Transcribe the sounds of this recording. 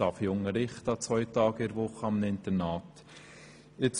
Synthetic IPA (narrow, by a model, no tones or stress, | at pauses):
ɑfjoŋəɾɪχtɑt͡sʋœʏtɑːɡɪɾʋʊχəɑmnɪnt̪əɾnɑːt | ɪt͡s